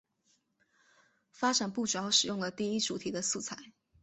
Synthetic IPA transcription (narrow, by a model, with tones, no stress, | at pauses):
fa˥ʈ͡ʂa˨˩npu˥˩ʈ͡ʂu˨˩jɑ˥˩ʊʂɻ̩˨˩jʊ˥˩ŋlə˩t̪i˥˩i˥ʈ͡ʂu˨˩t̪ʰi˨˩d̪ə˦su˥˩t͡sʰa˧˥˦ɪ